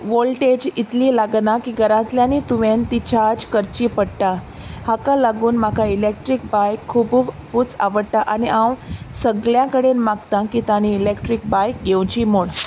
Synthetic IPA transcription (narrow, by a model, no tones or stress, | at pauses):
ʋolʈed͡ʑit̪liːlaɡnakiːɡəɾãt̪ljãnit̪uʋent̪it͡ɕʰaɾd͡ʑkəɾt͡ɕiːpəɽʈa | hakalaɡuːnmakʰailek̚ʈɾik̚bajkʰːubuʋ | put͡sa̰ʋəɽʈ̪aʔaniʔãwsəɡɭjãkəɽenmaɡt̪ãkit̪añiːlekʈɾik̚bajk̚ɡewt͡ɕiːmoɭ